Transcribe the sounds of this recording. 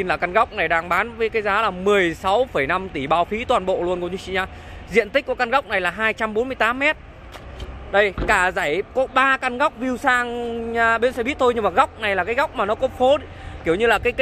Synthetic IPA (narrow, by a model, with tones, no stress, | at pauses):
i˧nlaː˨˩ka˧nɣa˦˥wk͡p̚na˨˩jɗaː˧ŋɓaː˨˦nvəː˨˦jkaː˨˦jzaː˨˦laː˨˩mɨ˨˩əjsa˨˦wfə˧˩jna˧mt̪i˧˩ɓaː˧˩wfi˨˦t̪waː˨˩nɓo̰˧˨lu˧ənko˧˩t͡ɕu˧˦t͡ɕḭ˧˨ɲaː˧˩ | zḭ˧˨ənt̪i˦˥k̚ku˧˩əka˧nɣa˦˥wk͡p̚na˨˩jlaː˨˩ɦaː˧jt͡ɕa˧mɓo˨˦nmɨ˧əjt̪aː˨˦mːɛ˦˥t̚ | ɗə˧jkaː˧˩zaː˧˩jkɔ˨˦ɓaː˧ka˧nɣa˦˥wk͡p̚vi˧wsaː˧ŋɲː˧ɓi˨˦˥nsɛ̰˧˥ɓi˦˥ət̚t̪ʰo˧jɲɨ˧ŋmaː˨˩ɣa˦˥wk͡p̚na˨˩jlaː˨˩kaː˨˦jɣa˦˥wk͡p̚maː˨˩nɔ˨˦ko˦˥p̚fo˨˦ | ki˧˩əwɲɨ˧laː˨˩kaː˨˦j